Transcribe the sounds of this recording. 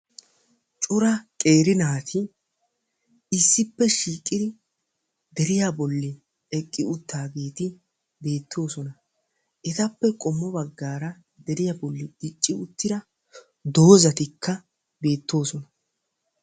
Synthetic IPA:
t͡ʃʼʊɾɐkʼe̞ːɾɪnaːt̪ʰɪ | ɪsːɪpːɛʃiːkʼɪd̪ɪ | d̪ɛɾɪjabɔlːɪ | ɛkʼːɪʊt̪ːaːɡe̞ːt̪ɪ | be̞ːt̪ːo̞ːsɔnɐ | ʔɛt̪ɐpːɛkʼɔmːɔbɐɡːaːɾɐ | d̪ɛɾɪjabɔlːɪdɪt͡ʃʼːɪʊt̪ːɪd̪ɐ | d̪o̞ːzɐt̪ɪkʰːɐ | be̞ːt̪ːo̞ːsɔnɐ

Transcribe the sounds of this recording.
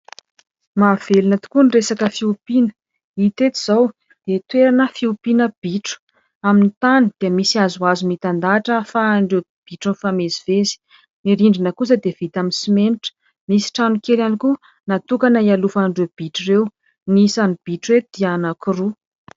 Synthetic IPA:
mav̥elinət̪u̥kuniresakəfiupinə̥ | it̪et̪iz̥aw | d̪̥et̪weɾanəfiupinəb̥iʈ͡ʂu̥ | aminit̪anid̪̥iəmisiazuazumit̪and̪aʈ͡ʂəfaɳɖ͡ʐe | b̥iʈ͡ʂunfamezivezi̥ | niɾiɳɖ͡ʐinəkus̬əd̪ev̥it̪aminsimeniʈ͡ʂə̥ | misi̥ʈ͡ʂanukeɾaniku | nat̪ukanaialufaɳɖ͡ʐeb̥iʈ͡ʂirew | nisanib̥iʈ͡ʂuet̪d̪̥ianakuru

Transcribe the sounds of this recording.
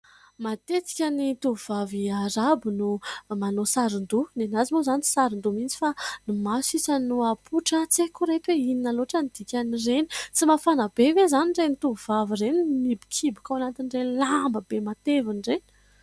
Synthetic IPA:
mat̪et̪i̥kʲənit̪uvuv̥aviaɾabinumanosaɾund̪unenazimozanit͡si̥saɾind̪umint͡si̥fanimasisənuapʰuʈ͡ʂət͡sekuɾet̪eininaloʈ͡ʂənid̪̥ikʲanireni̥t͡simafanəbevezaniɳɖ͡ʐenit̪uvavireninibi̥kʰibikʲawanat̪inrelambəbemat̪evinɖ͡ʐeni

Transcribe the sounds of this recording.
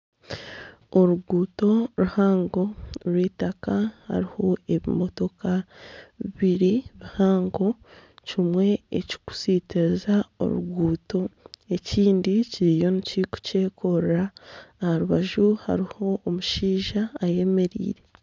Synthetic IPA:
o̞ɾuɡuːto̞ɾuhaːŋɡo̞ɾwiːtakaha̰ɾiho̞e̞βḭmo̞to̞kʰaβiβiɾiβihaːŋɡo̞cimwe̞̰ːci̥ku̥siːtezao̞̰ɾṵɡuːto̞e̞ciːndiciɾijo̞niciku̥ce̞ːkʰo̞ɾaːhaɾuβaʒuha̰ɾiho̞ːmuʃiːʒaːje̞me̞ɾḭːɾe̞

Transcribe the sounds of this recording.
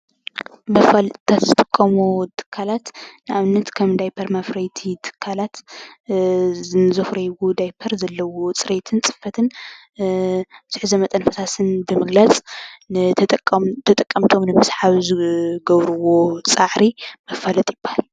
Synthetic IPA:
mɐfalt̪ʰːat̪zɨt̪ʼɨkʼːɐmut̪ʰɨ̥kʰːalat̪nɨʔaβnːɐt̪kʰɐmd̪ajpʰɐɾmafɾɐjt̪ʰit̪ʰɨ̥kʰːalat̪ | ɨnzofɾɐjɡud̪ajpʰɐɾzɐlːɐwot͡sʼɨɾet̪ʰɨnt͡sʼɨ̥fːɐt̪ʰɨn | sɨħɨzɐmɐt̪ʼɐnfɐsasɨnbɨmɨɡlat͡sʼ | t̪ʰɐt̪ʼɐkʼːɐmt̪ʰo̞mnɨmɨsħaβzɨɡɐβɾuwo̞t͡sʼaʕɾimɐfalɐt̪ʼjɪb̥ahal

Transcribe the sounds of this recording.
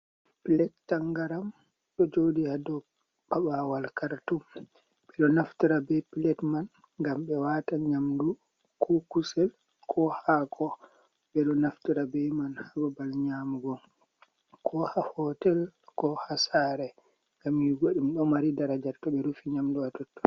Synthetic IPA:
pilɛtːaŋɡaɾam | ɗɔd͡ʒodihadɔ | paɓawalkaɾtum | ɓɛɗɔnaftiɾabɛpilɛtman | ŋɡamɓɛwataɲamdu | kʰɔkusɛl | kʰɔhakʰɔ | ɓɛɗɔnaftiɾabɛmanhababalɲamɡɔ | kʰɔhahɔtɛlkɔhasaɾɛ | ŋɡamjiɡoɗimɗɔmaɾidaɾad͡ʒatɔɓɛɾufiɲamduatɔtːɔ̥

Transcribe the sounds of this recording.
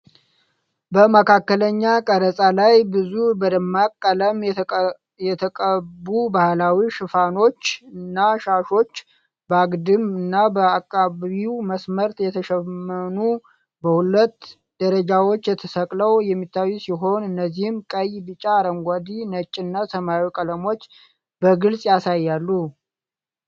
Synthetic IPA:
bəməkʰakːələɲːakʼəɾəsʼalajbɨzubəd̪əmːakʼːələmʼ | jɛt̪ʰəkʼəbubahlawiʃɨfano̞t͡ʃːɨnːaʃaʃo̞t͡ʃː | bəaɡd̪ɨmɨnːabəakʼːaβiwməsməɾt̪jɛt̪ʰəʃɛmːənu | bəhulət̪ː | d̪̥əɾəd͡ʒawo̞t͡ʃːjɛt̪ʰəsəkʼləwjɛmːit̪ʰːajːusiɦo̞nɨnːəzːihɨmkʼəjbɨt͡ʃʼaːɾəŋɡʷad̪inət͡ʃʼːinːasəmawikʼələmo̞t͡ʃː | b̥əɡɨlsʼjasajːalːu

